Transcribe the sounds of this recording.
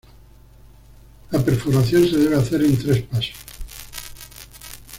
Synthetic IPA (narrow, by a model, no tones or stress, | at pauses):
lape̞ɾfuɾaθjo̞nse̞ð̞e̞β̞eaθe̞ɾent̪ɾe̞spaso̥s